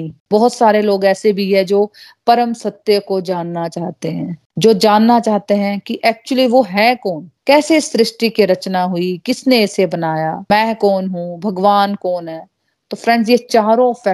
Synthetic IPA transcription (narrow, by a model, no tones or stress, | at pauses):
ibɔɦʊt̪saːɾeloːɡɛːsebʱiɦɛd͡ʒoːpɐɾəmsɐt̪ːjəkod͡ʒaːnːat͡ʃaːɦt̪eɦɛ̃ː | d͡ʒoːd͡ʒaːnːat͡ʃaːɦt̪eɦɛ̃kiʔɛːk̚t͡ʃuəliʋoɦɛːkɔːnkɛːseɪsɾɪʃʈikeɾɐt͡ʃnaɦʊikɪsneːsebɐnaːjaːmɛ̃ːkɔːnɦũbʱɐɡʋaːnkɔːnɦɛː | t̪oːfɾɛ̃ɳɖzjet͡ʃaːɾõfɛ